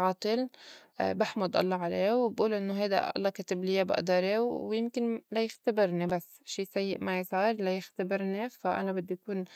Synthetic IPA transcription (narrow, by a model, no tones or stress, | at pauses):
ʕɑːt̪ˤɨl | baħmʊd̪ˤʔɑ̰lˤːɑːʕaleːwbʔuːlʔɪnːoɦajd̪a̰ʔɑ̰lˤːɑːkat̪ɪblijabɪ̰ʔd̪ɑɾˤewwjɪmkɪnlajɪxt̪abɪɾnibasːʃiːsajːɪʔmajsˤiːɾˤlajɪxt̪abɪɾnifaʔa̰nabɪd̪ːʔakuːn